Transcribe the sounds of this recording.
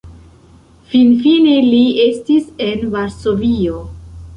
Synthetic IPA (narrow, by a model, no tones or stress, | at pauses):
finfine̞liestise̞nvaɾso̞vio̞